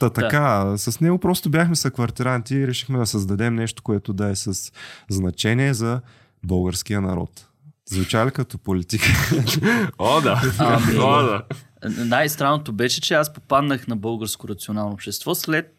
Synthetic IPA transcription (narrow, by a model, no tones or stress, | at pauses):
d̪at̪ɐkasɐsnɛɡopɾɔst̪objʲaxmɛsɐkvɐɾt̪iɾant̪iɾɛʃixmɛd̪ɐsɐzd̪ɐd̪ɛmnɛʃt̪o̥koɛt̪ʊd̪ɐɛsɐsznɐt͡ʃɛniɛzɐ | bɤlˠɡəɾsk̟ijənɐɾɔ̰t̪ | zvɛt͡ʃalikɐt̪ɔpolit̪ikə | od̪aamiod̪anajst̪ɾanːot̪obɛʃɛt͡ʃɛaspopad̪nəxnɐbɤlˠɡəɾskoɾɐt̪sionalˠnoːpʃt̪ɛst̪vɔslɛt̪̚